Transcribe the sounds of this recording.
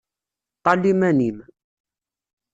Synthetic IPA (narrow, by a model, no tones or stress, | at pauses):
t̪ˤɑlimænim